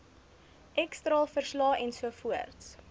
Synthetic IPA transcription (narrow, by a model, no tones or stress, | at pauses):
ʔɛkstrɑːlˠfərslɑːʔɛnsuəfuərts